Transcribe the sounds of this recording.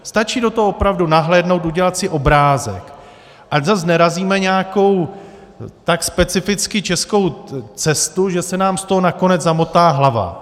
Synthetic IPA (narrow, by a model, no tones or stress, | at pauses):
st̪at͡ʃiːdo̞t̪oɦoopɾavdunaɦlɛːdno̞wt̪uɟɛlat̪sɪʔo̞bɾaːzɛ̰k | ʔaczaznɛɾaziːmɛɲɛako̞w | t̪akspɛt͡sɪfɪt͡skɪt͡ʃɛsko̞wt͡sɛst̪uʒɛsɛnaːmst̪o̞ɦo̞nako̞nɛd͡zzamot̪aːɦlava̰